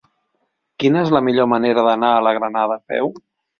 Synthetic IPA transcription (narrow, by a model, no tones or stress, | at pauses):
kinəezləmiʎoməneɾəðənaələɣɾənaðəpɛ̰w